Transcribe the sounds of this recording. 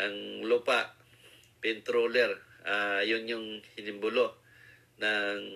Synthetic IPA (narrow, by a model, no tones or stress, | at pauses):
ʔaŋlupaʔ | pɛnt̪ɾolɛɾajʊnjʊŋhɪnɪmbʊloʔ | naŋ